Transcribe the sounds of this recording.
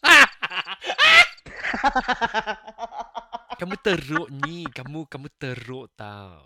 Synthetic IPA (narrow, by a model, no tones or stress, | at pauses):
a | a | kamũt̪əɾʊʔnikamũkamũt̪əɾʊʔt̪a̰w